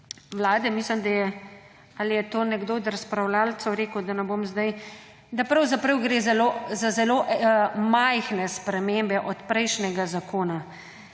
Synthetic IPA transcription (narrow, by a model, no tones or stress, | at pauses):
ʋlaːd̪ɛmisləmd̪ajɛ | alijɛt̪oːnɛɡd̪oːd̪ɾaspɾawlaːlt̪sɔwɾeːkəwd̪anɛboːmzd̪aj | d̪apɾɐwzapɾəwɡɾeːzalozazɛloʔmajxnɛspɾɛmembɛʔɔt̪pɾɛjʃnɛɡazakʰoːna